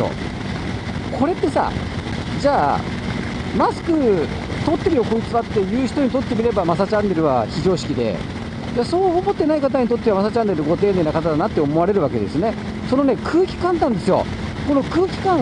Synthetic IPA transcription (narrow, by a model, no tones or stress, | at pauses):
o̰ | kʰo̞ɾe̞t̪ːe̞sa̰ | d͡ʑaː | masɨ̥kɯ̟ | t̪o̞t̪ːe̞ɾɯjo̞ko̞it͡sɨβat̪ːe̞jɯːçi̥t̪o̞ɲ̟it̪o̞t̪ːe̞mʲiɾe̞bamasat͡ɕãnːe̞ɾɯ̟βaçiʑo̞ːɕi̥kʲid̪e̞̰ | d͡ʑaːso̞ːomo̞t̪ːe̞naikat̪̬aɲ̟it̪ot̪ːe̞amasat͡ɕãnːe̞ɾɯ̟ɡo̞t̪e̞ːne̞ːnakat̪ad̪anat̪ːe̞omoaɾe̞ɾɯ̟βake̞̰d̪esɨne̞ | so̞no̞ne̞kʰɯːkʲi̥kãnt̪ãnd̪e̞sɨjo̞̰ | ko̞no̞kɯ̟ːkʲi̥kã